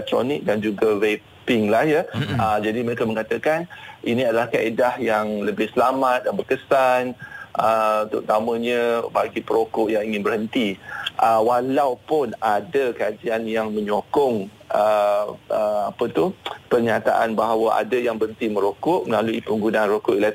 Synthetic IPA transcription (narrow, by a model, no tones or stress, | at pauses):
ɛt̪ɾo̰nɪk̚dand͡ʒuɡawe | pɪŋlahjəəd͡ʒadiməɾekaməŋat̪akanʔinĩadalahkaʔedahjaŋləbɪhsəlamãt̪̚jaŋbərkəsanʔəut̪ʊ̰ʔt̪amə̃ɲə̃baɡipəɾokʊʔjaŋiŋɪnbərhənt̪iʔəwalawpʊnadakad͡ʒianjaŋmə̃ɲokɔŋ | ʔə | əapət̪uhpərɲat̪a̰ʔanbaɦawəʔa̰dajaŋbəənt̪imə̃ɾokʊʔməlaluipəŋɡunaʔnrokʊʔila